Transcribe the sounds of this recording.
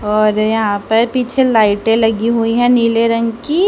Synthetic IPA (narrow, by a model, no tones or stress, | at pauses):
ɔːɾjɐɦãpɐɾpiːt͡ʃʰelaːɪʈẽlɐɡiɦuiɦɛ̃niːleɾɐ̃ŋɡki